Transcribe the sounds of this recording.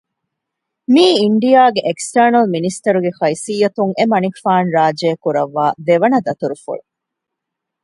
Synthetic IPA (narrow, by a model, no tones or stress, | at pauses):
miːiɳɖijaːɡeʔeksʈɐːnɐlminist̪ɐɾuɡexɐisijːɐt̪uŋʔemɐnikfaːnɾaːd͡ʒeːkuɾɐʋːaːd̪eʋɐnɐd̪ɐt̪uɾufṵɭu